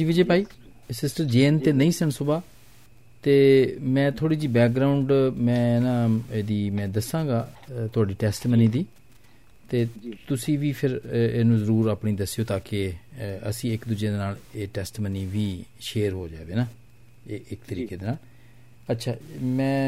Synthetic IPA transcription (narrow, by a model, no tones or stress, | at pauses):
d͡ʒiːid͡ʒeːpaːiː | sɪsʈəɾd͡ʒeːnt̪eːnəĩːsəɳsʊbaː | t̪eːmɛ̃ːt̪ʰoːɽiːd͡ʒiːbɛːk̚ɡɾaːʊɳɖmɛ̃ːnãːeːd̪iːmɛ̃ːd̪əsãːɡaːt̪ʊaːɖiːʈɛːsʈmənĩːd̪iː | t̪eːt̪ʊsĩːʋiːpʰɪɾeːnũːzəɾuːɾaːpɳiːd̪əsːjoːt̪aːkeəsĩːɪkd̪ud͡ʒẽːd̪eːnaːleːʈɛːsʈməniːʋiːʃeːɾɦoːd͡ʒa̰ːʋeːnaː | eːɪkt̪əɾiːkeːd̪eːnaːl | ətːʃʰaːmɛ̃ː